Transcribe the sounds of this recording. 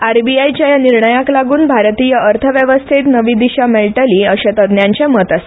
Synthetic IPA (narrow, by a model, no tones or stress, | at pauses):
aɾbiajit͡ɕjajaniɾɳəjaklaɡuːnbʱaɾt̪ijəəɾt̪ʰəʋjəʋəst̪ʰet̪nəʋid̪iɕamɛlʈəliːəɕet̪əd̪njãɲt͡ɕemət̪ase̥